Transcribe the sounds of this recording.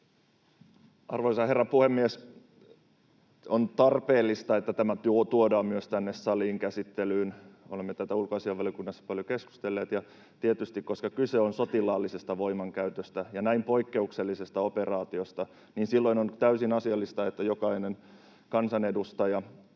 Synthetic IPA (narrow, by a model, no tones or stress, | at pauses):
ɑrʋoisɑherːɑpuhemːies | ont̪ɑrpeːlːist̪ɑet̪ːæt̪æmæt̪uot̪uodɑːmmyøst̪ænːessɑliːŋkæsit̪ːelyːnolemːet̪æt̪æulkoɑsiɑʋɑlijokunːɑsːɑ̥pɑljokesku̥st̪elːeːt̪jɑ | t̪iet̪yst̪ikkoskɑkyseonsot̪ilɑːlːisest̪ɑʋoimɑŋkæyt̪øst̪æjɑnæimpo̞ikːeukselːisest̪ɑoperɑːt̪iost̪ɑ | niːnsilːoinont̪æysinɑsiɑlːist̪ɑet̪ːæjokɑinen | kɑnsɑnedust̪ɑjɑ